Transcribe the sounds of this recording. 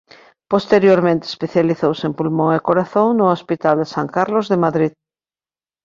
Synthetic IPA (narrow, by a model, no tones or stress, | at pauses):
post̪eɾjoɾmẽnt̪e̥speθjaliθowsempulmõŋekoɾaθõŋnʊospit̪ald̪esaŋkaɾlozðemaðɾið